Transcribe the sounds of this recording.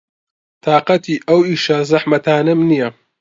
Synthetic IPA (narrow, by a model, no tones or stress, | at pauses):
t̪ʰaːqɐt̪ʰiːʔɐwiːʃɐzɐħmɐt̪ʰaːnɐmnijɐ